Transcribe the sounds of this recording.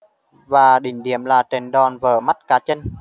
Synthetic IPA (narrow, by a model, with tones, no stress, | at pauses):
vaː˨˩ɗï˧˩ŋ̟ɗi˧˩˨əmlaː˨˩te˨˧nɗɔ˨˩nvəː˧˩ma˦˥t̚kaː˨˦t͡ɕə˧n